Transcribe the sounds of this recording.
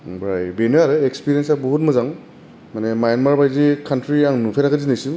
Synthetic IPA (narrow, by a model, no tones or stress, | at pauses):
bɾajbenɯaɾɯekspiɾijensabɔɦut̚mɯzaŋ | manemajnmaɾbajzikʰantɾiaŋnupʰenakazinisim